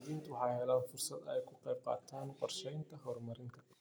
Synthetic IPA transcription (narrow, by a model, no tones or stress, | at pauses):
ðiːnt̪ʰʊwɑħɑjhɛlaːnfʊrsɐd̪ɛjkʰʊqɛjb̚qɑ̰ːt̪ʰaːnqɔrʃɛjnt̪ʰɐɦɔrmɐɾɪŋt̪ʰɐ̥